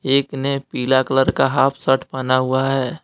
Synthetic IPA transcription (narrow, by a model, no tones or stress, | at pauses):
eːknepiːlakələɾkaɦaːpʰsəʈʰpaːnaɦʊaɦɛː